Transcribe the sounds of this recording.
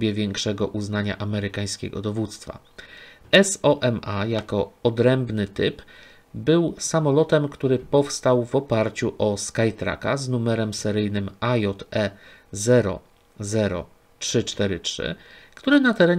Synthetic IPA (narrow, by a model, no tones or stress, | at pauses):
bʲjɛvʲjɛŋkʂɛɡɔʔuznaɲa̰ʔamɛɾɘkaj̃skʲɛ̰ɡɔ̰d̪ɔvut̪st̪fa̰ | ɛsɔʔɛmajakɔɔd̪ɾɛmbnɘt̪ɘp | bɘwsamɔlɔt̪ɛmkt̪uɾɘpɔfst̪awvɔpaɾt͡ɕuʔɔskajt̪ɾa̰kaznumɛɾɛmsɛɾɘjnɘmajɔt̪ɛ | zɛɾɔ̰ | zɛɾɔ̰ | tʂɘt͡ʂt̪ɛɾɘtʂɘ̰kt̪uɾɘnat̪ɛɾɛɲ